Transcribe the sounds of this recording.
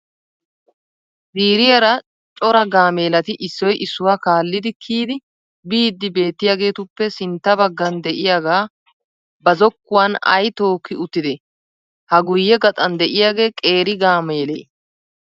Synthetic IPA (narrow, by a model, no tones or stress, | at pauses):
ziːɾɪjɐɾɐ | t͡ʃʼɔɾɐɡaːme̞ːlɐt̪ɪʔɪsːɔjʔɪsːʊwaːkaːlːɪd̪ɪkʰiːd̪ɪ | biːd̪ːɪbe̞ːt̪ːɪjaːɡe̞ːt̪ʊpːɛsɪnt̪ːɐbɐɡːɐnd̪ɛʔɪjaːɡaː | bɐzɔkːʊwanɐ̰jt̪o̞ːkːɪʊt̪ːɪd̪ɛ | hɐɡʊjːɛɡɐt̪ʼɐnd̪ɛʔɪjaːɡe̞ːkʼe̞ːɾɪɡaːmeːlḛː